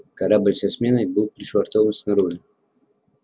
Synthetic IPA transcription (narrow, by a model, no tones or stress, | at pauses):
kɐɾabɨlʲsɐsmʲenəjbɨlˠpɾʲɪʂvɐrt̪ovənsnɐɾuʐɨ